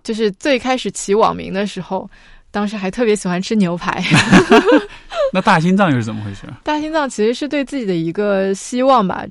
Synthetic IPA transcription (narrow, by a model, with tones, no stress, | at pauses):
t͡ɕjo˥˧ʊʂ̬ɻ̩˥˧t͡swe˥˩ɪkʰa˥ɪʂɻ̩˨˩t͡ɕʰi˧˥wɑ̰˨˩ŋmḭ˧˥ŋd̪ə˧ʂɻ̩˧˥xo˥˧ʊ | t̪ɑ˥ŋʂ̬ɻ̩˧˥xa˧˥ɪt̪ʰɤ˥˩pjɛ˧˥ɕi˨˩xwa˥nʈ͡ʂʰɻ̩˥njo˧˥ʊpʰa̰˧˥ɪ | na˥˧t̪a˥˩ɕi˥nt͡sɑ˥˧ŋjɻ̩˥˩t͡sə˨˩mə˦xwe˥˩ʈ͡ʂʰɔ̰˥t̪a˥˩ɕi˥nt͡sɑ˥˩ŋt͡ɕʰi˧˥ʂɻ̩˧˥ʂɻ̩˥˧t̪we˥˧ɪt͡sɹ̩˥˩t͡ɕi˨˩d̪ə˦i˧˥ɡə˧ɕi˥wɑ˥˩ŋbɐ̰˩